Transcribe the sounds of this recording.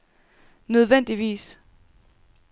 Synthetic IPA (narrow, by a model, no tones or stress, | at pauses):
nøð̞ˠʋen̰d̥iʋḭːs